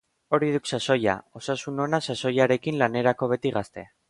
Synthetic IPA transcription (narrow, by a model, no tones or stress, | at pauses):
o̞ɾið̞uksaso̞ja̰o̞sasuno̞nasaso̞jaɾe̞kinlane̞ɾako̞β̞e̞t̪iɣast̪e̞̰a